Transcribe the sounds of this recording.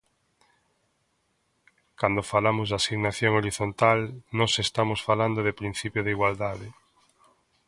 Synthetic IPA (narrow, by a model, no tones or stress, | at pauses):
kand̪ofalamozðasiɣnaθjoŋoɾiθont̪alnɔsest̪amosfaland̪oðepɾĩn̟θipjoðeiɣwald̪aðɪ